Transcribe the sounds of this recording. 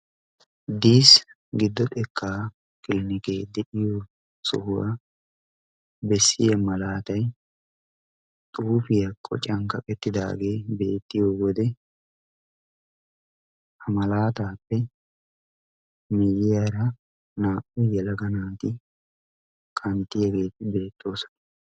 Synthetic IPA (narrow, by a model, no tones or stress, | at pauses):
d̪iːs | ɡɪd̪ːɔt̪ʼɛkʰːaː | kʼɪlɪnɪkeːd̪ɛʔɪjo | sɔ̰hʊwa̰ | bɛsːɪjɐmɐlaːt̪ɐj | t̪ʼuːfɪjɐkʼɔ̰t͡ʃʼɐŋkɐkʼɛt̪ːɪd̪a̰ːɡe̞ːbe̞ːt̪ːɪjoːwɔd̪ɛ | ɐmɐlaːt̪aːpːɛ | mɪjɪjaɾɐ | naːʔʊjɛlɐɡɐnaːt̪ɪ | kʼɐnt̪ːɪjɐɡeːt̪ːɪbe̞ːt̪ːo̞ːsɔ̥nɐ